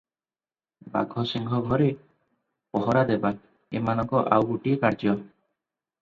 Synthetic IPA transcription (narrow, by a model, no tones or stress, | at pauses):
ba̰ɡʱɔsiŋɡʱɔɡʱɔɾe | pɔɦɔɾad̪eba | ḛmanɔŋkɔʔawbuʈiekaɾd͡ʒjɔ